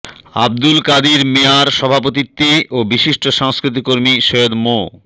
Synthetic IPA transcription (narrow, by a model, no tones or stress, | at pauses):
a̰b̚d̪ulkad̪iɾmeaɾʃɔbʱapot̪̬it̪ːiʔobiʃiʃʈʰoʃaŋskɾit̪̬ikːoɾmiʃojod̪mo